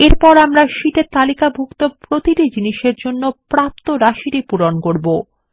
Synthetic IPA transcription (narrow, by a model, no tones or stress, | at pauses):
eɾpɔɾamɾaʃiʈet̪alikabʱukt̪opɾot̪iɾid͡ʑiniʃeɾd͡ʑonːopɾap̚t̪oɾaʃiɾipuɾonkoɾbo